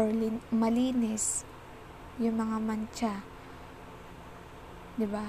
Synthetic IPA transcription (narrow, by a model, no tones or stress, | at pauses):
mɐliːnɪs | jʊŋmɐŋamɐnt͡ʃa | d̪ɪba